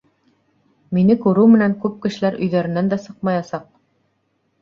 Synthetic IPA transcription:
minɘkʉɾɘwmɘ̆næŋkʉp̚kɘ̆ʃɘ̆læɾʔɵ̆jðæɾɘ̆nænd̪æsɤqmɑjɑsɑq̚

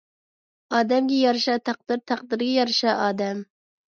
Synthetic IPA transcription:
ɑːd̪ɛmɡʲɛjɑɾʃɑt̪ʰæq̚d̪ɨɾt̪ʰæq̚d̪ɨɾɡʲɛjɑɾʃɑʔɑːd̪ɛm

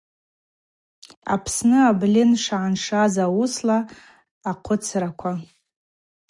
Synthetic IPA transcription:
a̰pʰsnɨablʲɪnʂaʕanʂazawʊslaː | qʷʰʊt͡sʰrakʷʰa

